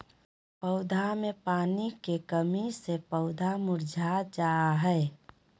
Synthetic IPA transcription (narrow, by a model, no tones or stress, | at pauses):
pəʊd̪ʱamepaːnikekəmisepəʊd̪ʱamʊɾd͡ʒʱad͡ʒaɦɛː